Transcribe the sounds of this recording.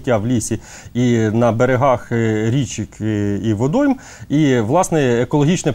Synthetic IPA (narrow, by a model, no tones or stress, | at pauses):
tʲːaʋlʲisʲi | inɐbeɾeɦɑxɾʲit͡ʃikiʋɔd̪ɔjm | iʋlˠɑsnɛekɔlˠɔɦʲit͡ʃnɛ